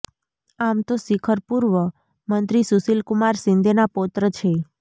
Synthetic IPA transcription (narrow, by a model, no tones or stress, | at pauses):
amt̪osikʰəɾpuɾʋə | mənt̪ɾisusilkumaɾsɪnd̪ʱenapot̪ɾət͡ʃʰe